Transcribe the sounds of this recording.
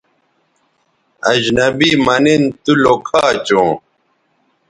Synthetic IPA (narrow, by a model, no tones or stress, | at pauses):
ɐd͡ʑnɐbimɐnint̪ulokʰaːt͡ɕõː